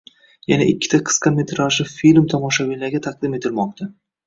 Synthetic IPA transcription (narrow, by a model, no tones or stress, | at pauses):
janaʔɪkʲːɪ̥t̪ʰaqʰɨ̥sqʰɑmet̪ʰɾaʃɪfilmt̪ʰɒmɒʃawilaɾɡʲat̪ʰaq̚d̪ɪme̞t̪ʰɪlmɒq̚t̪ʰa